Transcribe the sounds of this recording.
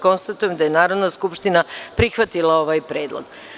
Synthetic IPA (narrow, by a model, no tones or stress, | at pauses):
ko̞nst̪at̪ujemd̪aje̞naːɾo̞d̪naskupʃt̪inapɾixʋat̪ilˠao̞ʋajpɾeːd̪lˠo̰ɡ